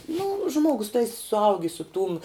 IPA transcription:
nʊ ˈʒmuɔɡʊs tɐɪ sʊˈɐʊɡʲɪ sʊ tuːm

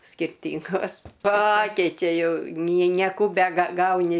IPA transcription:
sʲkʲɪrʲˈtʲiːŋɡoːs ˈpɑːkʲɛɪt͡ʃʲɛ ˈjɛʊ nʲiɛ nʲiɛˈkuː bʲɛɡɐˈɡɐʊnʲɪ

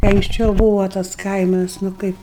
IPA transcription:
kɐɪ ɐŋksʲˈt͡ʃʲɛʊ ˈbuːʋoː tɐs ˈkɐɪmɐs nʊ ˈkɐɪp

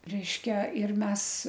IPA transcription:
ˈrʲɛɪʃʲkʲɛ ɪr ˈmʲɛs

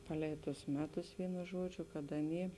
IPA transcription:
ˈpɑːˌlʲɛɪ tʊs ˈmʲæːˌtʊs ˈʋʲiːnʊ ˈʒuɔd͡ʒʲʊ kɐt ˈɑːˌnʲiː

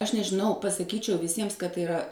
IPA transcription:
ɐʃ nʲɛʒʲɪˈnɐʊ pɐsɐˈkʲiːt͡ʃʲɛʊ ʋʲɪˈsʲiɛms kɐt tɐɪ ɪˈrɐ

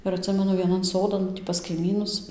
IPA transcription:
ɪr ɐtʲˈsʲɪmʲɛnʊ ʋʲiɛˈnɐn ˈsoːdɐn tʲiː pɐs kɐɪˈmʲiːnʊs

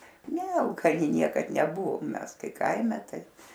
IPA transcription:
ˈnʲɛ ɐlˠkɐˈnʲɪ ˈnʲiɛkɐt nʲɛˈbʊʋoːm ˈmʲɛs ˈkɐɪ ˈkɐɪmʲɛ ˈtɐɪ

